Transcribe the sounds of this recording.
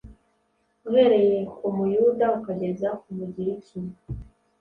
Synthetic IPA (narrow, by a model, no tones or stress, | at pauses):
ɣeɾejeomujudaukaɟe̞zakumuɟiɾicimu